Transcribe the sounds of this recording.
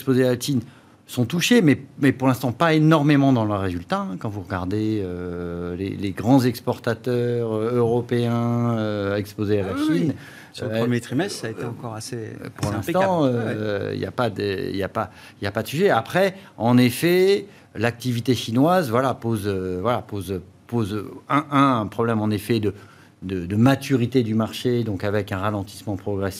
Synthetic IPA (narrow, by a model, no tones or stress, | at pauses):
spozealat̪in | sɔ̃t̪uʃemɛmɛpuʁlɛ̃st̪ɑ̃paenɔʁmemɑ̃d̪ɑ̃ləʁːezylt̪aɛ̃kɑ̃vuʁəɡaʁd̪eølḛleɡʁɑ̃zɛkspɔʁt̪at̪œʁøøʁɔpeɛ̃øɛkspozealaʃin | smjet̪χimɛst̪saet̪eɑ̃kɔʁasepuʁlɛ̃sit̪ɑ̃øḭlja̰pad̪ə̰ḭljapa | iljapad̪əsyʒɛapχɛɑ̃nefɛ | lak̚t̪ivit̪eʃinwazvwalapozøvwalapozpozɛ̃ʔɛ̃ɛ̃pχɔblɛmɑ̃nefɛd̪ə | d̪əd̪əmat̪yʁit̪ed̪ymaʁʃed̪ɔ̃kavɛkɛ̃ʁalɑ̃t̪i̥smɑ̃pχɔɡʁɛsi